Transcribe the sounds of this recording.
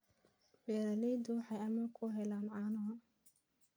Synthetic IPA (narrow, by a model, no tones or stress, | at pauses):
bɛːɾɐlɛjd̪ʊwɑħɑjɐmɐkʰʊɦɛlaːnʕɑːnɐɦɐ